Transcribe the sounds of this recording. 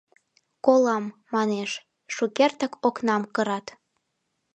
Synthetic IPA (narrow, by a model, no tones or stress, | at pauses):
kolɑmːɑneʃ | ʃukert̪ə̆koknɑmkəɾɑt̪